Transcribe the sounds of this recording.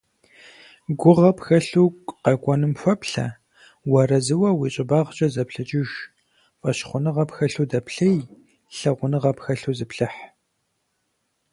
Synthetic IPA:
ɡʷʊʁɐpxɐɬuːkʷqɐkʷʼɔnɨmfʷɐpɬɐ̰ | wɐrɐzɨwɐwiːɕʼɪbaːʁt͡ʃʼɐzɐpɬɐt͡ʃʼɪʒ | fʼɐɕχʷʊnɨʁɐpxɐɬuːdɐpɬɐj | ɬɐʁʷʊnɨʁɐpxɐɬuːzɨpɬɨħ

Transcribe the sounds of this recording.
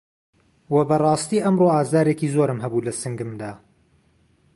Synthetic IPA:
wɐbɐrˤɑːst̪iːʔɐmroaːzd̪aːɾeːkizoːɾɨmɦɐbulɐsɨŋɡɨmd̪aː

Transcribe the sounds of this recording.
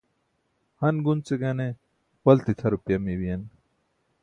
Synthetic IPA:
hɐnɡunt͡seɡɐne | wɐlt̪it̪ʰɐɾupjɐmiwijɐn

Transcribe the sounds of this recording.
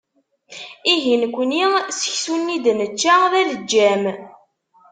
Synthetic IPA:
iɦinkʷːənisə̥çsunːid̪nət͡ʃːaðæləd͡ʒːæm

